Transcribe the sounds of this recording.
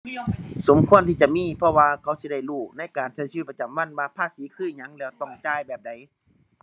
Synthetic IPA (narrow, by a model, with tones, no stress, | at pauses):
so˨˦mkʰu˧˥˨ənt̪ʰiː˧t͡ɕa˧˨miː˧˥˨pʰɔ˧waː˧kʰa˧˥˦wsi˧˦da˧˩jluː˧˩na˧˩˨jkaː˨˩nssi˧t̚pa˧t͡ɕa˨˦mwa˧˥˨nwaː˧pʰaː˧˥˨siː˨˦kʰɯː˧˥˩ɲa˧˦ŋlɛː˧˩wt̪ɔ˧˩ŋt͡ɕaː˧˩˨jbɛː˨˩p̚da˨˦j